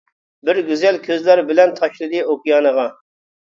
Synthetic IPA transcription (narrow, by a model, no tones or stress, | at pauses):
bɪɾɡʲyzɛlkʲʰøzlæɾbɪlɛnt̪ʰɑʃlˠɨd̪ɨokʲijɑːnəʁɑ